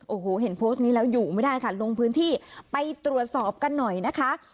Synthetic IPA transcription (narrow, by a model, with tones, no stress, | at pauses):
ʔoː˩hoː˨˩˦ɦe˨˩˦npʰoː˦˥st̚niː˦˥lɛː˦˥wjuː˨˩ma˥˩jdaː˥˩jkʰa˥˩lo˧ŋpʰɯː˦˥nt̪ʰiː˥˩pa˧jt̪ɾu˨˩ət̪̚sɔː˨˩p̚ka˧nːɔ˨˩jna˦˥kʰa˦˥ʔ